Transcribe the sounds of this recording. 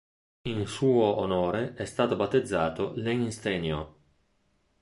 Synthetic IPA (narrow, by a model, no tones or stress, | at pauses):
insuːoːnoːɾeʔɛst̪aːt̪obat̪ːed̪zːaːt̪oleŋist̪enjo